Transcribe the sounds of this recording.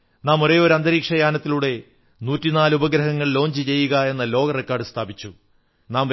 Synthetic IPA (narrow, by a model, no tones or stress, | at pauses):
naːmoɾe̞ːoɾɐnd̪ɐɾiːkʂɐjaːnɐt̪ːiluɽe̞ | nuːtːinaːlubɐɡɾɐɦɐŋːɐɭlo̞ːɲd͡ʑɨt͡ɕe̞jːuɣɐe̞nːɐlo̞ːɡɐrekːaːrɖɨst̪ʰaːbit͡ɕːu | naːm